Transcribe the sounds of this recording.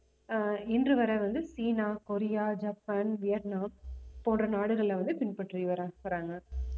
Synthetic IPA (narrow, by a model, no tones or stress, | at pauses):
ɪndrɯʋɐɾɐʋɐnd̪ɯsiːnaːkɔɾɪjaːd͡ʒɐpːɐnʋɪjɐɾnaːmpːoːndrɐnaːɽɯɣɐɭlɐʋɐnd̪ɯpɪnpɐʈːriʋɐɾaːʋɐɾaːŋɡɐ